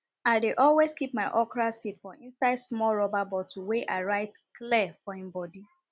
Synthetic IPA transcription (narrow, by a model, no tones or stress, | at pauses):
aɪdeʔɔlweskip̚maɪʔɔkɹasitfɔʔĩnsaɪdsmɔlɹɔbabɔtʰuweʔaɪɹaɪt | klifɔĩmbɔdi